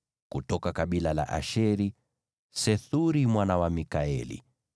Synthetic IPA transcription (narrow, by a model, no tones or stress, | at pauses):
kutɔkakaɓilala̰ʔaʃɛɾi | sɛθuɾimwanawamikaɛlḭ